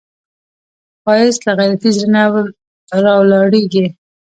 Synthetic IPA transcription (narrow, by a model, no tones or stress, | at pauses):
xɑjɪslaɣajɾat̪izɾɪnaw | ɾɑwlɑɽeɡi